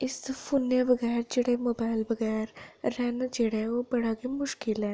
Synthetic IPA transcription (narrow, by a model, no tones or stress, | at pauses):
ɪspʰuːnjabɐɡɛːɾd͡ʒeɽemoːbaːɪlbəɡɛːɾːɛːnd͡ʒeɽeʋobɐɽaːɡemʊʃkɪlɦɛ̃ː